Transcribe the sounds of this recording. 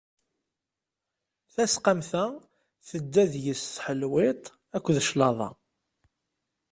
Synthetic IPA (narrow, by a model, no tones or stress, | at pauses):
θæsqamθæ | θəd̪ːæðjəsθħəlwɪt̪ˤ | ækʷːðəʃlɑðˤɑ̰